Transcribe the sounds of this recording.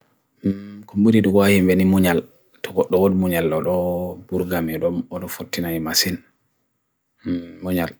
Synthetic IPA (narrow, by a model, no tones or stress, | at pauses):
kumbuɾiɗɔwahimbɛnimuɲal | tʰɔɡɔɗːɔwodmuɲalːɔɗɔbuɾɡamɛɗɔmɔɗɔfotːinaɲimasin | muɲal